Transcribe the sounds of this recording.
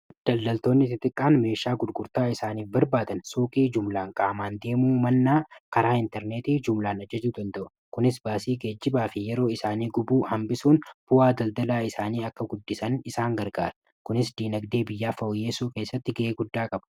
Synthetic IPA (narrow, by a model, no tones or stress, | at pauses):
d̪̥ɐld̪ɐlt̪o̞ːnːɪt̪ɪt̪ʼɪkʼːaːnme̞ːʃaːɡʊd̪ɡʊɾt̪aːɪsaːniːfbɐɾbaːd̪ɐnsoːkʼiːd͡ʒʊmlaːŋkʼaːmaːnd̪e̞ːmuːmɐnːaːkɐɾaːɪnt̪ɛɾneːt̪iːd͡ʒʊmlaːnɐd͡ʒɐd͡ʒuːd̪ɐnd̪ɐʔʊ̥ | kʊnɪsbaːsiːɡed͡ʒːɪbaːfɪjɛɾo̞ːɪsaːniːɡʊbuːhɐmbɪsuːnb̥ʊaːd̪ɐld̪ɐlaːɪsaːniːɐkːɐɡʊd̪ːɪsɐnɪsaːŋɡɐɾɡa̰ːɾɐ̥ | kʊnɪsd̪iːnɐɡd̪e̞ːbɪjːaːfɐʔʊjeːsuːkeːsːɐt̪ːɪɡɐʔeːɡʊd̪ːaːkʼɐb̥ɐ̥